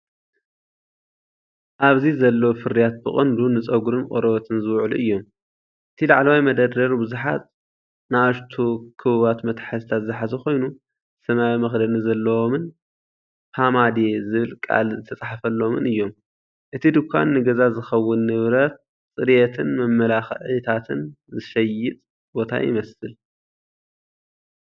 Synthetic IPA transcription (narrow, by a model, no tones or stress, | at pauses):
ʔaβzizɐlːɐwofɨɾijat̪̚bɨχʼɨnd̪unɨt͡sʼɐɡuɾɨnkʼo̰ɾɐβɐt̪ʰɨnzɨwʕluʔɨjːo̞m | ʔɨt̪ʰilaʕlɐwajmɐd̪ɐd̪ɐɾbɨzuħa̰tʼ | naaʃt̪ʰokʰɨβɨβat̪mɐt̪ħazt̪ʰat̪zɨħazɐxo̞jnu | sɐmawimɐxd̪ɐnɨzɐlːɐwomɨn | hʰamad̪ezɨβɨlkʼa̰lzɨt̪ʰɐt͡sʼaħafɐlːo̞mɨnɨjːo̞m | ʔɨt̪ʰid̪ɨkʰːa̰nːɨɡɐzazɨxɐwːʊnːɨβɾɐt̪̚ | sʼɨɾjet̪ʰɨnmɐmːɐlaxʕit̪ʰat̪ʰɨnzɨʃɐjɪt̪ʼ | bo̞t̪ʰa̰jɪ̰mɐsɨl